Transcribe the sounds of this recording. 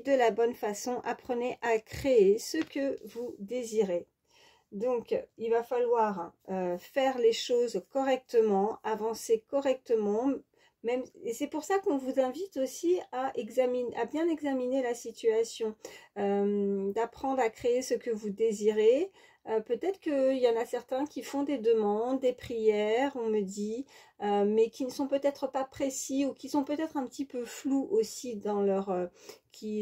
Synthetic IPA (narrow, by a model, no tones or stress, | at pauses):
d̪əlabɔnfasɔ̃ʔapχəneʔakχeesəkəvud̪eziʁe | d̪ɔ̃kilvafalwaʁøfɛʁleʃozkɔʁɛk̚t̪əmɑ̃avɑ̃sekɔʁɛk̚t̪əmɑ̃ | mɛmesɛpuʁsakɔ̃vuzɛ̃vit̪osiaʔɛɡzaminʔabjɛ̃nɛɡzaminelasit̪yasjɔ̃ømd̪apχɑ̃d̪ʁakχeesəkəvud̪eziʁe | øpøt̪ɛt̪χə̥kəiljɑ̃nasɛʁt̪ɛ̃kʲifɔ̃d̪ed̪əmɑ̃d̪ːepχijɛʁɔ̃məd̪i | ømɛkʲinəsɔ̃pøt̪ɛt̪χəpapχesiukʲisɔ̃pøt̪ɛt̪χɛ̃pət̪ipøfluʔosid̪ɑ̃lœʁøkʲi